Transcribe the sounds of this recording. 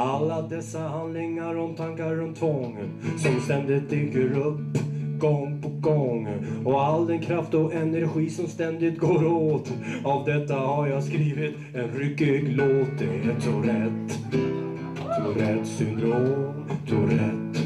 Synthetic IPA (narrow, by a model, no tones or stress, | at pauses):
alːad̪ɛsːaɦand̪lɪŋːaɾɔmt̪ʰaŋkaɾɔnt̪ʰːvɔŋ | sɔmst̪ɛnd̪ɪt̪̚ekəɾɵpːɡɔŋːpʰɔɡɔŋːɔald̪ɛnkʰɾaft̪ɔʔɛnɛɾɧiːsɔmst̪ɛnd̪ɪt̪ɡoːɾooːt̪avd̪ɛt̪ːahaɾjaskɾiːvɪt̪ | ɛnɾʏkːʏɡloːt̪̚d̪ɛɛt̪sɔɾɛt̪ː | soɾɛt̪ːsʏmd̪ɾoːmm | soɾɛt̪ː